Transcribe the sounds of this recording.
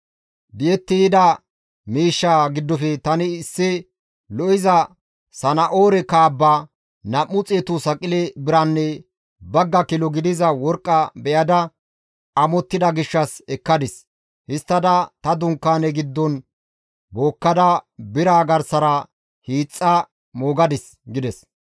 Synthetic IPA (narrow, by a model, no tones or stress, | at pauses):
bɪʔɛt̪ːɪjɪd̪ɐ | miːʃːaɡɪd̪ːɔfɛt̪ɐnɪsːɪ | lɔʔɪzɐ | sɐnɐʔoːɾɛkaːbːaː | nɐmːʊt͡sʼeːt̪ʊsɐkʼɪlɛbɪɾɐnːɛ | bɐɡːɐkɪlɔɡɪd̪ɪzɐwɔɾkʼːɐbɛjɐd̪ɐ | ɐmɔt̪ːɪd̪ɐɡɪʃːɐsɛkːɐd̪ɪs | hɪst̪ːɐd̪ɐt̪ɐd̪ʊŋkːaːnɛɡɪd̪ːɔn | bo̞ːkːɐd̪ɐbɪɾaːɡɐɾsɐɾɐ | hiːt͡sʼːɐ | moːɡɐd̪ɪs | ɡɪd̪ɛs